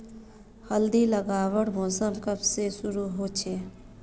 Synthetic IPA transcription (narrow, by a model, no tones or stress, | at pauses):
həld̪iləɡaːwəɽbʱõːsəmkəbsesʊɾuɦoːt͡ʃʰɛː